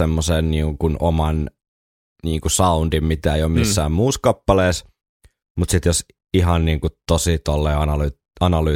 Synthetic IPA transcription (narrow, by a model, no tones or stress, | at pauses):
emːoseːnniːŋkunomɑn | niːŋkusɑund̥̪immit̪æeijomisːæːmmuːskɑpːɑleːs | mut̪sit̪jos | iɦɑnniːŋkut̪osit̪olːeːɑnɑly | ɑnɑly